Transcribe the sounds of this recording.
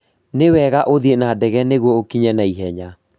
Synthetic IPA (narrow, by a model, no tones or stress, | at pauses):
newɛɣaʔoðienadɛɣɛneɣwɔokiɲɛnaiɦɛɲa